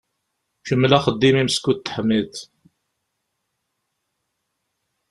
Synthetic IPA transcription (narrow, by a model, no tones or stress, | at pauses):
çəmːəlæχəd̪ːimimskut̪ːə̥ħmiθ